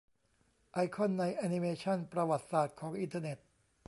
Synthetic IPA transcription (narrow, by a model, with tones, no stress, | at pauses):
ʔa˧jkʰɔ˥˩nːa˧jʔaː˧ni˧meː˧t͡ɕʰɔ˥˩npɾa˧wa˨˩t̪̚saː˨˩t̪̚kʰɔː˩˦ŋʔi˧nt̪ʰaː˧ne˨˩t̪̚